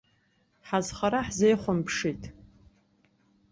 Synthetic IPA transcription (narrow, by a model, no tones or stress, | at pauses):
ħazχaɾaħzejχʷʊnpʰʂijtʼ